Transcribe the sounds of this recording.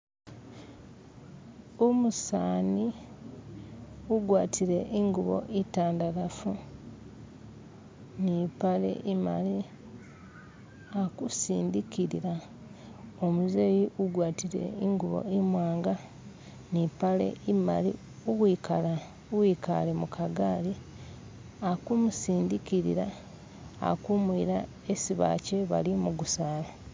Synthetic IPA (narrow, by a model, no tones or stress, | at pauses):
omusaːni | uɡwaːtʰiɾe̞ʔiŋɡuβo̰ʔitaːndalafu | nipalḛʔima̰li | akusḭːndikiɾḭɾa | omuzeːjiuɡwaːtiɾe̞̰iŋɡuβo̞̰imwaːŋɡa | nipale̞̰ima̰lḭ | uwiːkala | uwika̰le̞mukʰaɡaːli | akumusiːndikiɾḭɾa | a̰kumwiɾa | esiβa̰ːce̞βa̰limuɡusaːla